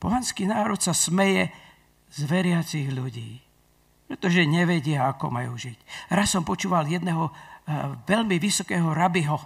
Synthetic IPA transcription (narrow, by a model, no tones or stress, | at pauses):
pɔɦanskiːnaːɾɔt̪sasmɛjɛ | zʋɛɾɪat͡siɣʎuɟḭː | pɾɛt̪ɔʒɛɲɛʋɛɟɪaakɔ̰majṵːʒicɾasːɔmpɔt͡ʃuːʋaljɛd̪nɛɦɔ | ʋɛʎmiʋisɔkɛːɦɔɾabiɦɔ